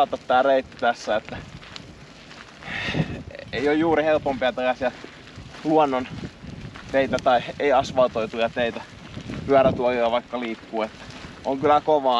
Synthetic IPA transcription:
ɑt̪ːɑt̪t̪æːreit̪ːi̥t̪æsːæet̪ːæ | eiojjuːrihelpompiæt̪elæsiɑ | luonːon | t̪eit̪æt̪ɑieiɑsʋɑlt̪oit̪ujɑt̪eit̪æ | pyæræt̪uɑkojɑʋɑikːɑliːkːuːet̪ːæ̥ʔoŋkylækoʋɑː

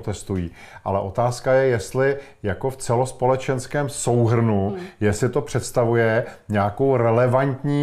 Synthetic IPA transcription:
t̪ɛst̪ujiː | ʔa̰lɛʔo̞t̪aːskajɛjɛst̪lɪ | jako̞ft͡sɛlo̞spo̞lɛt͡ʃɛnskɛːmso̞wɦr̩nujɛsɪt̪o̞pr̝̥ɛt̪st̪avujɛ | ɲaːko̞wɾɛlɛvant̪ɲiː

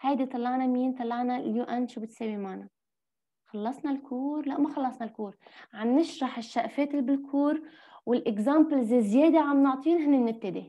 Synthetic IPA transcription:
hajd̪it̪ˤɑlˤːɑʕnamiːnt̪ˤɑlˤːɑʕnaljuːʔanːʃuːbɪt̪seːwimaʕna | xɑlːɑsˤnɑlkʰuːɾlaʔmaxɑlːɑsˤnalkuːɾʕanːɪʃɾɑħɪʃːaʔfeːt̪ɪlbɪlkʰuːɾ | wɪlʔɪkzaːmblzzjeːd̪eʕamnʊʕt̪ˤiːnɦɪnːɪmnɪb̚t̪ɪd̪i

